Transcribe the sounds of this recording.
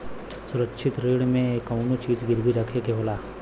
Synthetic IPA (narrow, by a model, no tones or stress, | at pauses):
sʊɾəkʃʰɪt̪ɾeːɽmẽkɐʊnot͡ʃiːd͡ʒɡɪɾbʱiɾɐkʰekeɦoːlaː